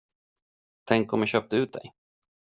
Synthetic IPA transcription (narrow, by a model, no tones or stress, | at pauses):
t̪ʰɛŋkːɔmjaɕœːp̚t̪ɵʉ̟ːt̪̚d̪ɛ̰j